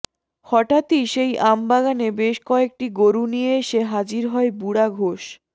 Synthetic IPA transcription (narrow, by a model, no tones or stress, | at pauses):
hɔʈat̪iʃejʔambaɡanebeʃkɔek̚ʈiɡoɾunijeeʃeɦad͡ʑiɾɦɔebuɽaɡʱoʃ